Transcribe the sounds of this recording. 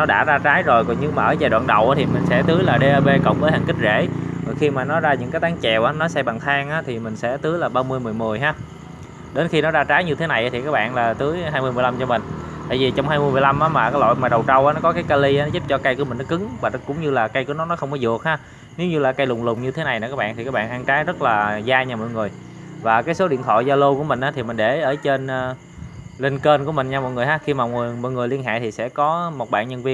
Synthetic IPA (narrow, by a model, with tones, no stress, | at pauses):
nɔ˨˦ɗa̰ː˧˥zaː˧t͡ɕaː˨˦jzo˨˩jkɔ˨˩ɲɨ˧maː˨˩ʔəː˧˩t͡ɕaː˨˩ɗwa̰ː˧˨nɗə˨˩wʔaː˨˦t̪ʰi˨˩mï˨˩ŋ̟sɛ̰˧˥t̪ɨ˨˦jlaː˨˩ɗe˧ʔaː˧ɓe˧kə̰˧˨wŋ͡mvəː˨˦jhaː˨˩ŋki˦˥zḛ˧˩vɔ˨˩xi˧maː˨˩nɔ˨˦zaː˧ɲɨ̰˧˥ŋkaː˨˦jt̪aː˨˦ŋt͡ɕɛ˨˩wʔaː˨˦nɔ˨˦sɛ˧ɓa˨˩ŋt̪ʰaː˧ŋʔaː˨˦˥t̪ʰi˨˩mï˨˩ŋ̟sɛ̰˧˥t̪ɨ˨˦jlaː˨˩ɓaː˧mɨ˧əjmɨ˨˩əjmɨ˨˩əjɦaː˨˦ | ɗe˨˦nxi˧nɔ˨˦zaː˧t͡ɕaː˨˦jɲɨ˧t̪ʰe˨˦na˨˩jʔaː˨˦t̪ʰi˨˩kaː˦˥k̚ɓa̰ː˧˨nlaː˨˩t̪ɨ˨˦jɦaː˧jmɨ˧əmɨ˨˩jla˧mt͡ɕɔ˧mï˨˩ŋ̟t̪a̰ː˧˨jvi˨˩t͡ɕɔ˧wŋ͡mhaː˧jmɨ˧əjmɨ˨˩jla˧mʔaː˨˦maː˨˩kaː˨˦lo̰˧˨jmaː˨˩ɗə˨˩wt͡ɕə˧wʔaː˨˦nɔ˨˦kɔ˨˦˥kaː˨˦jkaː˧li˧ʔaː˨˦nɔ˨˦zu˦˥p̚t͡ɕɔ˧ka˧jku˧˩˦mï˨˩ŋ̟nɔ˨˦kɨ˨˦ŋvaː˨˩˨kʊ̰˧˥wŋ͡mɲɨ˧laː˨˩ka˧jkɨ˨˦ŋnɔ˨˦nɔ˨˦xə˧wŋ͡mkɔ˨˦zɨ˨˩ək̚haː˧ | ne˨˦wɲɨ˧laː˨˩ka˧jlʊ˨˩ŋ͡mlʊ˨˩ŋ͡mɲɨ˧t̪ʰe˨˦na˨˩jnɔ˨˩kaː˦˥k̚ɓ̰ːnt̪i˨˩kaː˦˥k̚ɓ̰ːnʔaː˧ŋt͡ɕaː˨˦jzə˦˥t̚laː˨˩zaː˧ɲaː˨˩mɔ̰˧˨jŋɨ˨˩j | vaː˨˩kaː˨˦jso˨˦ɗḭ˧˨nt̪ʰɔ̰˧˨jzaː˧lo˧ku˧˩əmï˨˩ŋ̟aː˨˦t̪ʰi˨˩mï˨˩ŋ̟ɗe˧˩ʔəː˧˩t͡ɕe˧nː˧ | le˧nke˧nku˧˩əmï˨˩ŋ̟ɲaː˧mɔ̰˧˨jŋɨ˨˩jɦaː˨˦xi˧maː˨˩˨ŋɨ˨˩əjmɔ̰˧˨jŋɨ˨˩əjli˧ənɦa̰ː˧˨jt̪ʰi˨˩sɛ̰˧˥kɔ˨˦mo˨˩t̚ɓa̰ː˧˨nɲə˧nvi˧ən